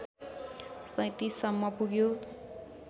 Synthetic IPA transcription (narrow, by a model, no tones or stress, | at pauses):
sʌ̃jt̪isʌmːʌpuɡjo